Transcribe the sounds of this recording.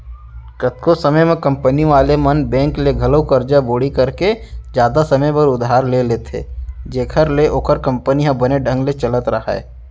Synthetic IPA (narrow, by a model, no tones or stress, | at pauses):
kət̪̚kosəməjmẽkɐ̃mpəniʋaːlemənbɛ̃ːŋkleɡʱɐləwkəɾd͡ʒaboːɽikɐɾked͡ʒjaːd̪asɐməjbəɾʊd̪ɦaːɾleleːt̪ʰḛːd͡ʒeːkʰəɾleʔoːkəɾkə̃mpəniɦãbəneɖʱə̃ŋɡlet͡ʃələt̪ɾɐɦa̰ɛ̰ː